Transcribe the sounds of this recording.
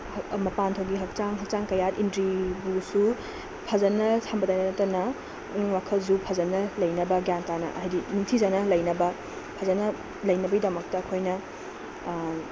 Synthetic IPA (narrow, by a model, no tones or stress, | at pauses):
mɐpantʰoɡiɦɐk̚t͡ʃaŋɦɐk̚t͡ʃaŋkɐjatintɾibusu | pʰɐzɐnːɐsʰambɐdajnɐnɐtɐnɐ | wakʰɐls̬upʰɐzɐnːɐlɐjnɐbɐɡjantanɐ̰ʔɐɦjdinuŋtʰizanɐlɐjnɐbɐ | pʰɐzɐnɐ | lɐjnɐbɐɡidɐmɐk̚tɐːkʰojnɐ